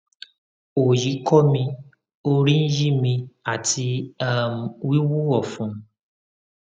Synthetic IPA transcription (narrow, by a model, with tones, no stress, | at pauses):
o˨ji˨˦kɔ˦mĩ˧ | o˦ɾi˦n̩˦ji˦mĩ˧a˨ti˧a˦m˨wi˦wu˦ɔ˨fũ˨˦